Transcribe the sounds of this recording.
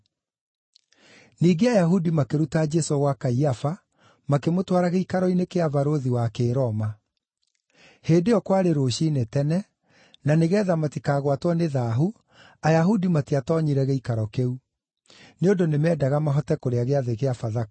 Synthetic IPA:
niːɡeajaɦudimakeɾutad͡ʒɛsoɣwakaiafa | makemotwaɾaɣeikaɾɔinekeavaɾoðiwakeːɾɔma | heːdeɔkwaɾeɾoːɕiːnetɛnɛ | naneɣɛːðamatikaːɣwatwɔneðaːɦu | ajaɦudimatiatɔɲiɾɛɣeikaɾɔkeu | neondonemɛdaɣamaɦɔtɛkoɾeaɣeaðeɣeafaða

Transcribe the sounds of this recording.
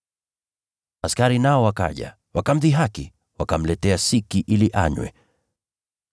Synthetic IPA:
askaɾinaɔwaka̰ʄa̰ | wakam̩ðiɦaki | wakam̩lɛtɛasikiʔiliʔa̰ɲwɛ̰

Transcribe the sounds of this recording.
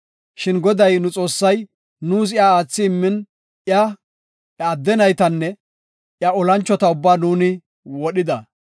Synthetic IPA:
ʃɪnɡɔd̪ɐjnʊt͡sʼo̞ːsːɐj | nuːs̬ɪjaaːt͡sːɪːmːɪn | ɪjaː | d̪ːɛnɐjt̪ɐnːɛ | ʔjɐɔlɐnt͡ʃːɔt̪ɐʊbːaːnuːnɪ | wɔɗɪd̪ɐ

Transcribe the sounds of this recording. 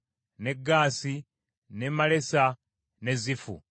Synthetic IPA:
ne̞ɡːaːsi | ne̞male̞sa | ne̞zifṵ

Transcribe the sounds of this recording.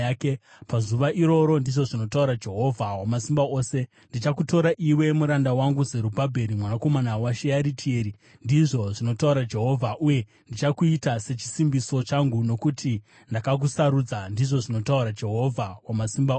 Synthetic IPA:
ke | pazuʋaʔiɾo̞ɾo̞ndiʐo̞ʐino̞tauɾad͡ʒe̞ɦo̞vʱawamasimbao̞ːse̞ | ndit͡ʃakuto̞ɾaʔiwe̞muɾandawaŋɡuze̞ɾubʱabʱe̞ɾimwanako̞manawaʃejaɾitʰie̞ːɾi | ndiʐo̞ʐino̞tauɾad͡ʒe̞ɦo̞vʱaʔuje̞ | ndit͡ʃakuitase̞t͡ʃi̥simbiso̞t͡ʃaŋɡuno̞kutʰi | ndakak̬usaɾud͡zandiʐo̞ʐino̞tauɾad͡ʒe̞ɦo̞vʱawamasimba

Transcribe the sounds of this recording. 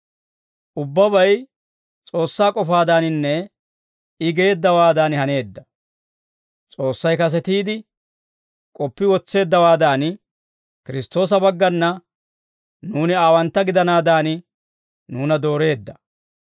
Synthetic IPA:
ʔʊbːɐbɐj | t͡sʼo̞ːsːaːkʼɔfaːd̪aːnɪnːɛ | ɪɡe̞ːd̪ːɐwaːd̪aːnhɐne̞ːd̪ːɐ | t͡sʼo̞ːsːɐjkɐs̬ɛt̪iːd̪ɪ | kʼɔpːɪwɔt͡sːe̞ːd̪ːɐwaːd̪aːn | kɪɾɪst̪o̞ːs̬ɐbɐɡːɐnːɐ | nuːnɪaːwɐnt̪ːɐɡɪd̪ɐnaːd̪aːnɪ | nuːnɐd̪o̞ːɾe̞ːd̪ːɐ

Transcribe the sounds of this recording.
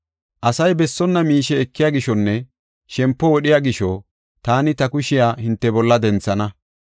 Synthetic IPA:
ʔɐsɐjbɛsːɔnːɐmiːʃɛːkːɪjaːɡɪʃɔnːɛ | ʃɛmpːɔwɔɗɪjaːɡɪʃɔ | t̪aːnɪt̪ɐkʊʃɪjaːhɪnt̪ːɛbɔlːɐd̪ɛnt͡sːɐnɐ

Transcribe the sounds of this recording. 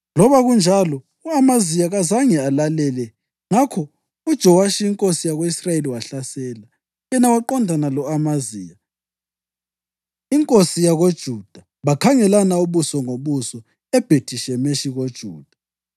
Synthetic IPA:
lɔβaɣund͡ʒʱalɔ | uamazijaɣazaŋɛalalɛlɛ | ŋakʰɔ | ud̥ʒ̥ʱɔwaʃiiŋkʼosijaɣoisraeliwaɬasɛːla | jɛnawaǃɔndʱanalɔamazija | iŋkʼosijaɣod̥ʒ̥ʱud̥ʱa | βakʰaŋɛlanauβusɔŋoβusɔ | ɛb̥ʱed̥ʱiʃɛmeʃiɣod̥ʒ̥ʱuːd̥ʱa

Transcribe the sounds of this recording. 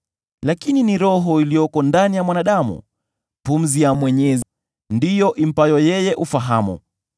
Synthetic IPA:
lakininiɾɔɦɔilijɔkɔndanijamwanaɗamṵ | pum̩zijamwɛɲɛz | ndijɔʔim̩pajɔjɛjɛʔufaɦamṵ

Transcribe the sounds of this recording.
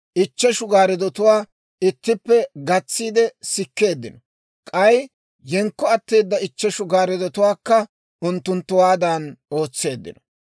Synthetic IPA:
ʔɪt͡ʃːɛʃʊɡaːɾɛd̪ɔt̪ʊwaː | ɪt̪ːɪpːɛɡɐt͡sːiːd̪ɛsɪkːe̞ːd̪ːɪnɔ | kʼɐj | jɛŋkːɔɐt̪ːeːd̪ːɐɪt͡ʃːɛʃʊɡaːɾɛd̪ɔt̪ʊwaːkːɐ | ʊnt̪ːʊnt̪ːʊwaːd̪ano̞ːt͡sːe̞ːd̪ːɪ̰nɔ̥

